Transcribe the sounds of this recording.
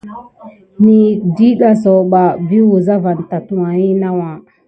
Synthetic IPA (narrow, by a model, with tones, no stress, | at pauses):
ni˨di˦ɗa˨so˨ɓa˨bi˦wu˨za˦va˨n˨ta˨tu˦wa˨ji˦na˦wa˨